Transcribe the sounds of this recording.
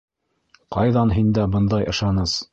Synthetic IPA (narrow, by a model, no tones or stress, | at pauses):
qɑjðɑnɦind̪æbɤ̆nd̪ɑjʔɤ̆ʃɑnɤz